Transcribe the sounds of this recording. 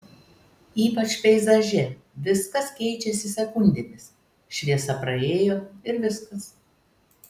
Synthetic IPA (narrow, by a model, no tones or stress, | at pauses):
iːpɐt͡ʃʲpʲɛɪzɐʒʲɛ | ʋʲɪskɐskʲɛɪt͡ʃʲɛsʲɪsʲɛkʊnʲd̪ʲemʲɪs | ʃʲʋʲiɛsɐpɾɐeːjoːɪɾʋʲɪskɐs